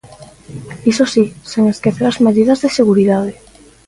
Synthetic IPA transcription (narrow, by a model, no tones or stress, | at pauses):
isosisoŋaskeθeɾazmeðiðɐzðeseɣuɾiðað̞e